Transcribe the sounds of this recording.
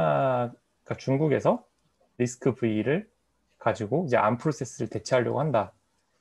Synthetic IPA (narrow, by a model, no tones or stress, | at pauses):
k͈at͡ɕuŋɡuɡe̞sʰʌ | ɾisʰɯ̥kʰɯbɯiɾɯɭ | kad͡ʑiɡoid͡ʑe̞̰ʔampʰɯɾos͈ʰe̞s͈ɯɾɯɭte̞t͡ɕʰiɦaʎːʌɡo̰handa